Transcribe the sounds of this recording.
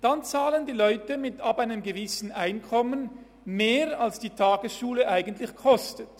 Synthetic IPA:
d̥ant͡saːləndiːlɔʏtəmɪtapaɪnəmɡəvɪsn̩aɪnkʰɔmən | meːʁalsd̥iːtʰaːɡəsʃuːləʔaɪɡən̩tlɪçkʰɔstət

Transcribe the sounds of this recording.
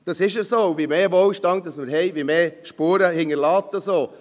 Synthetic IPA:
d̥ɑsɪʃəsoːʋimeːʋolʃtɑŋ̚d̥ɑsməɾɦɛɪʋimeːʃpuːɾəhɪŋəɾlɑːpt̪əsoː

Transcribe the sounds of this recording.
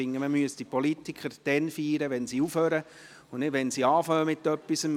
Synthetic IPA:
ɪŋːəməmyəsd̥ipolit̪ikʰχəɾd̥ɛnfiːɾəʋɛnsiufhøːɾə | ʊnnɪtʋɛnsiɑːfœːəmɪt̪ːœpːisəm

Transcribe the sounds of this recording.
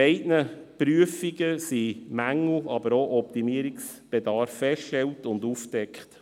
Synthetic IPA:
ɛɪdnəpɾyəfiɡəsimæŋl̩ʔɑbəɾoʔɔp̚t̪imiəɾiks | b̥ɛdɑɾfːɛstʃtɛltʊndufd̥ɛkχt

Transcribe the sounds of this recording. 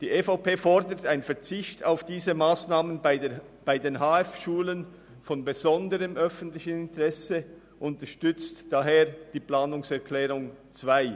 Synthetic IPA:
d̥iːʔeːfaʊpʰeːfɔʁdətaɪnfɛɐt͡sɪçtʰaʊfd̥iːzəmaːsnaːmən | b̥aɪdeːnɦaːɛfʃuːlən | fɔnbezɔndəʁəmʔœfən̩tlɪçənɪntəʁɛsə | ʔʊntəʃtʏt͡std̥aɦeːɐd̥iːplaːnʊŋsɛɐkʰlɛːʁʊŋt͡sv̥aɪ

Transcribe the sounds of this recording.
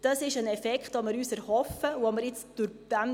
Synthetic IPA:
d̥ɑsɪʃənɛfɛkχtomɪɾyːsɛɾhɔfəuoməɾɪt͡sd̥ʊɾd̥æm

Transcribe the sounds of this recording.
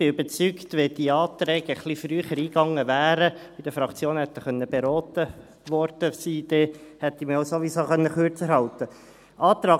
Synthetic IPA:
b̥ɪybət͡sykt̪ʋed̥̪iɑːt̪ɾɛːɡ̥əχlifɾyːχəɾiːɡɑŋːəʋæːɾəbid̥̪əfɾɑkt͡sjoːnhɛt̪ːəχœnːəbɛɾɔːt̪ə | ʋɔɾd̥əsiːd̥̪ɛhɛt̪ːimioʊsoʋisoːχœnːəχøɾt͡sɛɾɦhɑlt̪ə | ʔɑːt̪ɾɑː

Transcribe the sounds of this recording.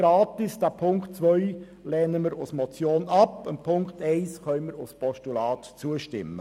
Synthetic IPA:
ɾɑːtɪsd̥æːpʰʊŋktt͡sʋœʏ | lɛːnəməɾʊsmɔt͡sjoːnɑpəmpʰʊŋktɛɪsχœʏnməɾʊspɔʃtulɑːtt͡suəʃtɪ̰mːə

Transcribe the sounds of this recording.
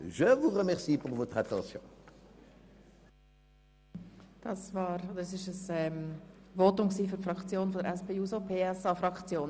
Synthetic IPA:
ʒəvuʁəmɛʁsipuʁvot̪χat̪ɑ̰̃sjɔ̰̃ | d̥ɑsvɑːɾod̪əɛsɪʃəsɛmvot̪ʊmksiːfyɾfɾɑkt͡sjoːnfɔdəɾʔɛspʰeːuːsopʰeːɛsɑfɾɑkt͡sjoːn

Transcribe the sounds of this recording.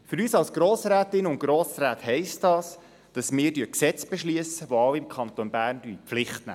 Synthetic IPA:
fʏɾyːsɑlsɡ̥ɾoːsɾæːt̪ɪnʊntɡ̥ɾoːsɾæːthɛɪstd̥ɑːs | d̥ɑsmɪːɾdyəksɛt͡sb̥ɛʃlyəsəʋoɑwɪmkʰɑnt̪onbæːrndypflɪχtnæ̰ː

